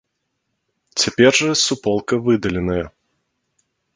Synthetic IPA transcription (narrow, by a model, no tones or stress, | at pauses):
t͡sʲapʲɛrʐɐsupɔlˠkɐvɨd̪ɐlʲɪnɐjɐ